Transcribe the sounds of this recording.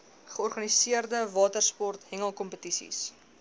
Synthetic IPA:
χəɔrχɐnisiərdəvɑːtərspɔrtɦɛŋəlˠkɔmpətisḭs

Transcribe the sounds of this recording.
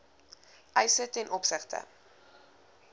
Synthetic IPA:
ʔœjsətɛnʔɔpsəχtə̰

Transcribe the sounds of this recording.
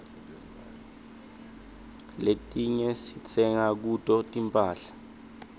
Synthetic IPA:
letʼiɲɛsit͡sʰɛŋak̬utʼɔtʼimpʼaːɬḁ

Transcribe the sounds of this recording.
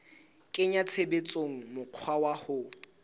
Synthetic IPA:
kʼɪɲat͡sʰebet͡sʼoŋ̩mʊq͡χʰwawahʊ

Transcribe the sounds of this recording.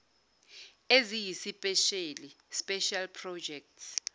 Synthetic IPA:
ezijisipʼɛʃeli | spʼɛʃalpʰrɔd͡ʒɛk̚ts

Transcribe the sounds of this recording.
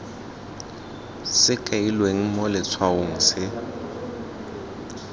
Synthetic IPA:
sɪkʼailweŋ̩mɔlɪt͡sʰwaʊŋ̩sɪ

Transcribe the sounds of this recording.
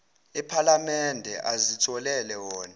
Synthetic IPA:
ipʰalamɛndʱɛ̰ʔazitʰɔlɛlɛwɔːna

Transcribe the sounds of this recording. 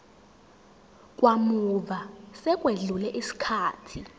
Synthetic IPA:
k̬ʼwamuvasɛk̬ʼweɮulɛʔisi̥kʰaːtʰi

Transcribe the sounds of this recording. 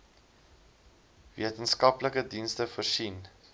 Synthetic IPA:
viətənskɐpləkədinstəfəːrʃin

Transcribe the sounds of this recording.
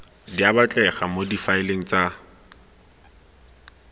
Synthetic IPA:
diabat͡ɬʼɛχamodifaɪleŋ̩t͡sʼa

